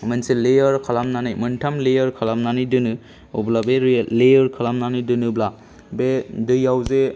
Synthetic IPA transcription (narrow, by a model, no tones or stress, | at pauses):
mɯnsilejɔɾkʰalamnanɯjmɯntʰamlejɔɾkʰalamnanɯjdɯnɯ | oblabeɾlejɔɾkʰɯlamnanɯjdɯnɯbla | bedɯjawze